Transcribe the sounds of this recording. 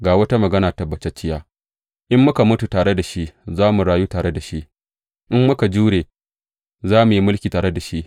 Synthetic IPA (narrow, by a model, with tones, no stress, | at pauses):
ɡaː˨wɐ˦ta˦mɐ˨ɡɐ˦naː˨tɐ˦bːɐ˨t͡ʃɛ˦t͡ʃːɪ˦jaː˦ | ʔɪ˦mːʊ˦ka˨mʊ˦tu˨taː˨ɽe˦da˨ʃi˦ʔzaː˦mu˨ɽaː˨juː˦taː˨ɽe˦da˨ʃi˦ʔ | ʔɪ˦mːʊ˦ka˨d͡ʒuː˦ɽeː˨ | zaː˦mu˨ji˦mʊ˦lkʲiː˨taː˨ɽe˦da˨ʃi˦ʔ